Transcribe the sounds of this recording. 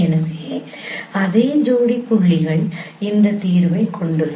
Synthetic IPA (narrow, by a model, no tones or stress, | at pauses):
ɛnɐkeː | ɐðeːɲd͡ʒoːɽipːʊɭːɪɣɐɭ | ɪnd̪ɐt̪iːɾʋɐɪkʰːɔɳɖɯ